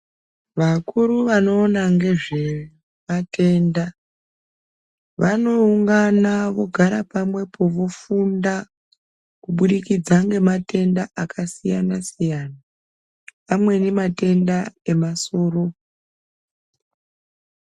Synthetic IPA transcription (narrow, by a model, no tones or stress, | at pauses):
ʋakuɾuʋano̞ːnaŋɡe̞ʐe | matʰe̞nda | ʋano̞uŋɡanaʋo̞ɡʱaɾapamwe̞pʰo̞ʋofunda | kuɓuɗikid͡zaŋɡe̞mate̞ndaʔakʰasijanasijana | pamwe̞nemate̞ndae̞maso̞ːro̞